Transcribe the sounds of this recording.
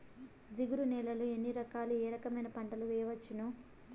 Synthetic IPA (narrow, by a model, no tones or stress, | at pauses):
d͡ʒiɡuɾunɛːlɐlue̞nːiɾɐkaːluɛːɾɐkɐmɐjnɐpɐɳɖɐluʋɛjɐʋɐt͡ʃːinu